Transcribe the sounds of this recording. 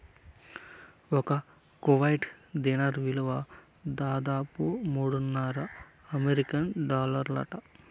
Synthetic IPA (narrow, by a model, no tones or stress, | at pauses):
ɔkɐ | kuʋɐjʈd̪inɐɾʋiluʋɐ | d̪aːd̪aːpumuːɽunːɐɾɐ | ɐmeɾikɐnɖaːlɐɾlɐ̰ʈɐ